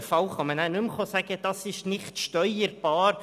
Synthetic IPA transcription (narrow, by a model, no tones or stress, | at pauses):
fɑlχɑmənænʉmχosæɡ̥əd̥ɑsɪʃnɪχtʃtœʏəɾb̥ɑːɾ